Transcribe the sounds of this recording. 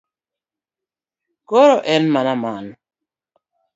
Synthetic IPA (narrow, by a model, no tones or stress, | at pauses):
kɔɾɔʔɛnmanaman